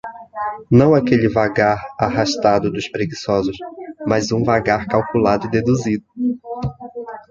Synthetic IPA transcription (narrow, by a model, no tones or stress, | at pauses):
nɐ̃w̃akelɪvaɡaɾaɦaʃt̪ad̪ʊd̪ʊʃpɾeɡisɔzʊsmazũvaɡaɾkawkulad̪ʊid̪ed̪uzid̪ʊ